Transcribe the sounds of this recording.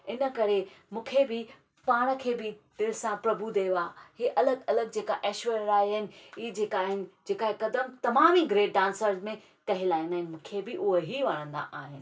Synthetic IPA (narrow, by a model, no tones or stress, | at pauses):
ɪnə̆kɐɾemũːkʰebɪ | paːɽ̃əkʰeːbɪd̪ɪlsãpɾɐbud̪eːʋaːheːʔɐləɡɐləɡ̚d͡ʑeːkaʔɛːʃʋeɾɾaːiɦənɪ̆iːd͡ʑeːkaːɦɪnɪ̆d͡ʑeːkaːɦekɐd̪əmt̪ɐmaːmiɡɾeːʈ̚ɖãːnsəɾzmẽ | kɐɦɪlaːɦɪnd̪aːɦɪnɪ̆mũːkʰebɪʔʊɦoɦiʋɐɽ̤̃ə̃nd̪a̰ʔaːɦɪnɪ̆